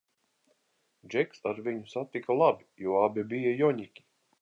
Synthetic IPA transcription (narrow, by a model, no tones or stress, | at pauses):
d͡ʒɛksaɾviɲusat̪ːikalˠabijuɔabʲibijajɔɲʲikʲi̥